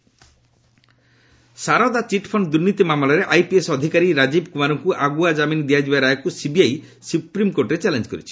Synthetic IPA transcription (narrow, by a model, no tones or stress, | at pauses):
saɾɔd̪at͡ʃiʈpʰɔɳɖd̪uɾnit̪imamlɔɾeʔajpiesɔd̪ʱikaɾiɾad͡ʒibkumaɾɔŋkuʔaɡuad͡ʒaminid̪iad͡ʒibaɾajɔkusibiaj | supɾimkoɾʈɾet͡ʃɛlend͡ʒɔkɔɾit͡ʃʰi̥